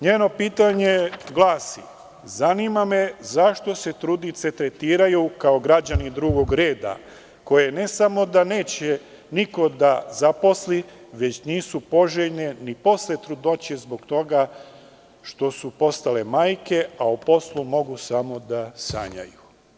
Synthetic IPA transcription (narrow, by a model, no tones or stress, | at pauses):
ɲeːno̞piːt̪aɲe̞ɡlˠaːsi | zaniːmame̞zaʃt̪o̞se̞t̪ɾud̪it̪se̞t̪ɾet̪iːɾajukao̞ɡɾad͡ʑanid̪ɾuːɡo̞ɡɾe̞ːd̪a̰ | ko̞je̞ne̞samo̞d̪ane̞ːt͡ɕe | niko̞d̪azapo̞sliʋe̞t͡ɕniːsupo̞ʒeʎne̞nipo̞slet̪ɾud̪o̞t͡ɕezbo̞ɡt̪o̞ɡa | ʃt̪o̞supo̞st̪ale̞maːjke̞aupo̞slˠumo̞ɡusamo̞d̪asa̰ːɲa̰ju